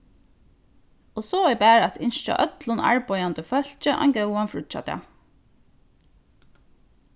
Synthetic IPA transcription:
oːsoːɛjbæːɹæt̪ʰɪnʃt͡ʃɑ̰ʔœt̪lʊnɑ̰ɹbɔʏɑnd̪əfœl̥t͡ʃəʔɑ̰ŋɡœwɑnfɹʊt͡ʃɑ̰t̪ɑ̰

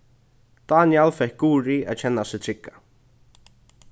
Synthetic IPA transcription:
d̪̥aːnjɛlfɛhk̚ɡuːɾiaðt͡ɕʰɛnːasɪt̪ʰɾɪkːḁ

